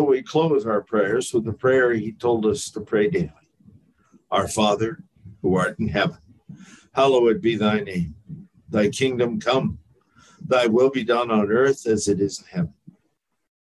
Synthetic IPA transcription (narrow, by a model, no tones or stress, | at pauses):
weɪkʰl̥oʊzaʊə˞pʰɹ̥ɛɹzwəðəpʰɹ̥ɛɹitʰoʊlˠdʌstʰəpʰɹ̥eɪdeɪlˠi | ʔaʊə˞fɑðə˞ | huɑɹɾn̩ɦɛvə̃n | hɛloʊɨt̚b̥iðaɪnẽɪ̃m | ðaɪkʰɪ̃ŋdɨ̃mkʰʌ̃m | ðaɪwɪlˠbidʌ̃nə̃n̩ɜ˞θɨzɨɾɪzn̩hɛvn̩